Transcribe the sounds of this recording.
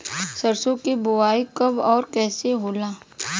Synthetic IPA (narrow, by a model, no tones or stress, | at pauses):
səɾsõkebʊaːikɐbɔːɾkɛːseɦoːlaː